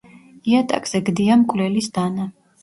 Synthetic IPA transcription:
iat̪ʼa̰kʼz̥ɛɡd̪iamkʼlɛlisd̪̥ana

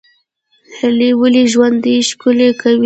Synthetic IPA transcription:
halewəliʒwand̪əʃkʊlekawi

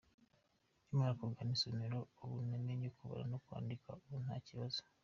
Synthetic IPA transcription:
ɲumaɾakuɡanisoumeɾoːβunemeɲokuβa̰ɾa̰nokwa̰ːndikauβununhaːciβazo

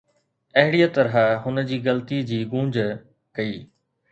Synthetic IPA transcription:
ɐɦɪɽijt̪ɐɾɦɦʊnəd͡ʑiːɡɐlt̪id͡ʑiːɡũːɲd͡ʑ | kɐiː

